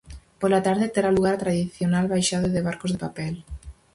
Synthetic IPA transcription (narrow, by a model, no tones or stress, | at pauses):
polat̪aɾðet̪eɾaluɣaɾt̪ɾaðiθjonalβajʃaðoðeβ̞aɾkozðepapɛl